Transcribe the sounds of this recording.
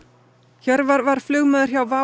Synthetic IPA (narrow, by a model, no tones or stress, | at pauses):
çɛɾvavaɾ̥flʏɣmɛðʏɾ̥çjawva